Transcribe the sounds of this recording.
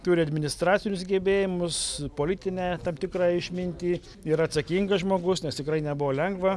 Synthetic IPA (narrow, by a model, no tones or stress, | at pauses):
t̪ʊɾʲɪɐd̪ʲmʲɪnʲɪst̪ɾɑːtt͡sʲsʲɪnʲʊsɡʲeːbʲeːjɪmʊspoːlʲɪt̪ʲɪnʲɛːt̪ɐmt̪ʲɪkɾɑɪʃʲmʲɪnʲt̪ʲiː | iɾɐt̪sɐkʲiŋɡɐsʒmoːɡʊsnʲɛst̪ʲɪkɾɐɪnʲɛbʊʋoːlʲɛŋɡʋɐ